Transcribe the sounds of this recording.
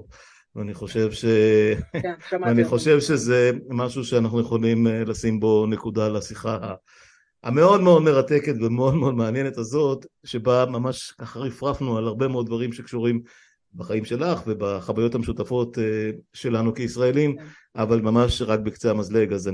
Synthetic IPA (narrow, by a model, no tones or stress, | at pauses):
vaniχo̞ʃe̞vʃe̞ | aniχo̞ʃe̞vʃe̞ze̞maʃuʃeanaχnujeχo̞limlasimbo̞ne̞kudalasiχaa | a̰me̞o̞dmeo̞dme̞ʁat̪eke̞t̪vemeo̞d̪meo̞d̪meanje̞netazo̞tʃe̞bamamaʃkaχaʁifʁafnualaʁbe̞meo̞d̪̚d̪vaʁimʃekʃuʁim | baχaimʃe̞laχve̞baχavajo̞thameʃutafo̞t̪eʃe̞lanukeisʁaelim | avalmamaʃʁak̚bekt͡seamazle̞ɡaza